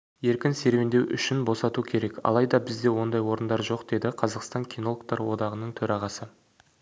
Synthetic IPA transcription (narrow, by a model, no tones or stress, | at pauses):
je̞ɾkʲɪnse̞ɾwend̪e̞wʔʏ̰ʃɪnbo̞sɑt̪ukʲʰe̞ɾe̞kʲɑ̰lˠɑjd̪ɑbɪzd̪e̞wo̞nd̪ɑjwo̞ɾənd̪ɑɾʒo̞qd̪̥e̞d̪ɪqʰɑzɑqst̪ɑŋkʲʰino̞lˠk̚t̪ɑɾwo̞d̪ɑʁənəɴt̪ʰɵɾɑʁɑsə